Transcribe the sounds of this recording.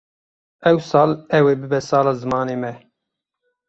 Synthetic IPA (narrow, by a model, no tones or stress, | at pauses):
ʔɛwsɑːlɛwebɨbɛsɑːlɑːzɨmɑːneːmɛ